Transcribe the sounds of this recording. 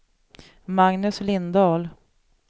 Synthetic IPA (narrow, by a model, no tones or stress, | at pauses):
maŋnɵslɪnd̪ɑːl